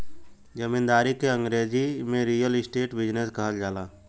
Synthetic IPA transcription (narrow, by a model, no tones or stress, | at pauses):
d͡ʒɐmɪ̃nd̪aːɾikeɐ̃ŋɡɾeːzimẽɾiːjəlɪsʈeːʈbɪd͡ʒneskɐɦəld͡ʒaːlaː